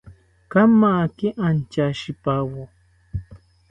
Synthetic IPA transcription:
kamːakɪʔant͡ʃaʃɪpawo

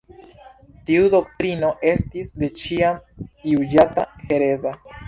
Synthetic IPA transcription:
tiudo̞k̚tɾino̞ʔe̞stisde̞t͡ʃiamjud͡ʒata̰he̞ɾe̞za

